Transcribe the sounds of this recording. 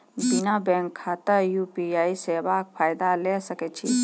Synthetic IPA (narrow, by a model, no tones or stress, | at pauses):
binabɛ̃ːŋkʰːaːt̪əjuːpiaːiseːbak̚pʰaːjd̪alesəket͡ʃʰḭ